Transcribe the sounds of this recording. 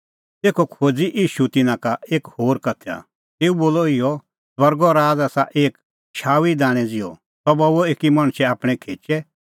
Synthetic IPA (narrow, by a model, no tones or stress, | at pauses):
t̪eːkʰɔkʰoːd͡ziʔiːʃut̪ɪnãkaʔeːkhoːɾkɐt̪ʰa̰ | t̪eːuboːlɔɪjɔ | swɐɾɡɔɾaːd͡zaːsa̰ʔeːk | ʃʰaːʋid̪aːɽ̃ɛd͡zɪjɔ̰ | t̪ɔbɔʋoeːkimɐɽ̃t͡ʃʰɛaːpɽ̃ɛkʰeːt͡ʃɛ